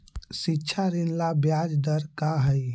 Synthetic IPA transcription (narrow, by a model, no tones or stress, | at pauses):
sitːt͡ʃʰaɾinlabjad͡ʒd̪əɾkaɦəj